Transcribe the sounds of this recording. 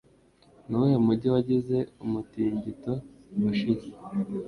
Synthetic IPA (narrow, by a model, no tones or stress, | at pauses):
nuwemuɾɟiwaɟize̞umutiːɲɟito | wuʃiɲi